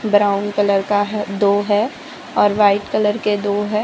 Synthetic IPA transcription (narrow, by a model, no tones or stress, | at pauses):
bɾaːʊnkɐləɾkaɦd̪oːɦɛ | ɔːɾʋaːɪʈkələɾked̪oːɦɛː